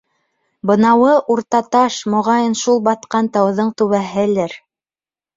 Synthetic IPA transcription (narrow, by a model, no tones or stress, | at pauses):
bɤ̆nɑwɤʔuɾt̪ɑt̪ɑʃmŏʁɑjɤnʃulˠbɑt̪qɑnt̪ɑw̆ðɤɴt̪ʉβæɦɘ̆lɘɾ